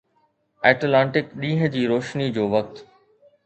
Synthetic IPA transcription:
ɛːʈlãːɳʈɪkɗĩːɦə̆d͡ʑiːɾoːʃnid͡ʑoːʋɐk̚t̪

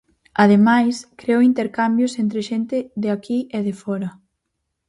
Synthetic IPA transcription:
að̞emajskɾeoint̪eɾkambjʊsent̪ɾeʃent̪ɪðeakʰieðefɔɾɐ

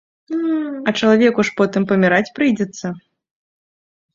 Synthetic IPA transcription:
ɐt͡ʂɐlˠavʲɛkuʂpɔt̪ɨmpɐmʲiɾat͡sʲpɾɨjd͡zʲɛt̪sːɐ

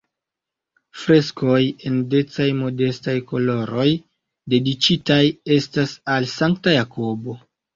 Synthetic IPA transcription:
fɾe̞sko̞je̞nde̞t͡sajmo̞de̞stajko̞lo̞ɾo̞j | de̞dit͡ʃitaje̞stasalsaŋktajako̞bo̞

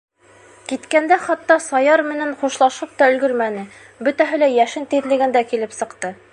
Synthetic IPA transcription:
kit̪kænd̪æχɑt̪ːɑsɑjɑɾmɘ̆næɴχuʃlˠɑʃɤp̚t̪ɑɵ̆lɡɵɾmænɘ | bɵ̆t̪æɦɘlæjæʃɘnt̪iðlɘ̆ɡɘ̆nd̪ækilɘpsɤ̆qt̪ɤ

